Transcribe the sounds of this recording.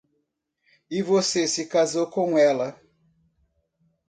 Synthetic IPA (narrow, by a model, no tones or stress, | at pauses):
ɪvosesɪkazowkõw̃ɛlɐ